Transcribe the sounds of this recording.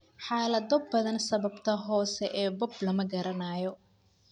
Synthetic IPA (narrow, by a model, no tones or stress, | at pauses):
ħɑːlɐd̪ɔbbɐðɐnsɐβɐbt̪ʰɐɦɔːsɛʔɛːbɔblɐmɐɡɐɾɐnaːjɔ